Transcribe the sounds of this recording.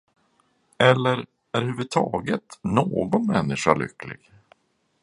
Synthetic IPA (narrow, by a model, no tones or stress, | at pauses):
ɛlːəɾ | æɾhʉ̟ːvɵt̪ʰɑːɡət̪noːɡɔnmɛnːɪʂaɭʏ̰kːlɪ̰ɡ̥